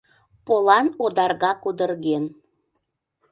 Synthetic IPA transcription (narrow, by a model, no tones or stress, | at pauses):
polɑnod̪ɑrɣɑkud̪ərɣen